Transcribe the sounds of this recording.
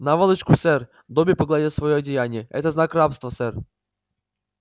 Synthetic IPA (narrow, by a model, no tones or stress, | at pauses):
navalˠɨt͡ʃkʊsɛɾ | d̪ɔbʲipəɡlˠad̪ʲɛsvɔjɔɐdʲɪjanʲɪjɛɛ̰t̪əznakɾapst̪vəsɛɾ